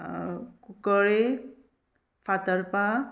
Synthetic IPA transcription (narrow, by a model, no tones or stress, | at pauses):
kukəɭe | fʰat̪əɾpa